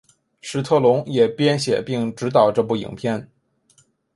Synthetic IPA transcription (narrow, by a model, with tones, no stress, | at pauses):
ʂɻ̩˧˥t̪ʰɤ˥˩lʊ˧˥ŋjɛ˨˩pjɛ˥nɕjɛ̰˨˩pi˥˩˧ŋʈ͡ʂɻ̩˧˥t̪̬ɑ˨˩ʊʈ͡ʂɤ˥˧p̬u˥˩ḭ˨˩ŋpʰjɛ˥˩n